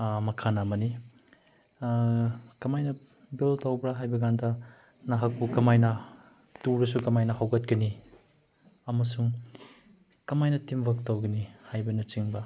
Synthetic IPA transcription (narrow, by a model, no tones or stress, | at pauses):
mɐkʰanamɐni | kɐmajnɐ | biltawbɾaɦajbɐɡandɐ | nɐɦɐk̚pukɐmajnɐ | tuɾɐs̬ukɐmajnɐhawkɐt̚kɐni | ɐmɐsuŋ | kɐmajnɐtimbɐk̚tawɡɐnihajbɐnɐt͡ʃiŋbɐ